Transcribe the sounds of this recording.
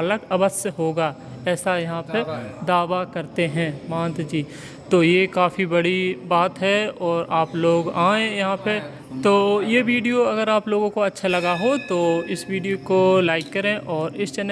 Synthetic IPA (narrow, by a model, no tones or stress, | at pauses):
ɐləɡɐbəsəɦoːɡaː | ɛːsajɐɦãpɐd̪aːʋakɐɾt̪eɦɛ̃ːmãːnt̪d͡ʒiː | t̪oːjekaːfibɐɽibaːt̪ɦɛɔːɾʔaːploːɡaːẽjɐɦãpe | t̪oːjeʋiːɖijoɐɡəɾaːploːɡõkoɐtːʃʰalɐɡaɦot̪oːɪsʋiːɖijokolaːɪkːɐɾẽʔɔːɾɪst͡ʃɐn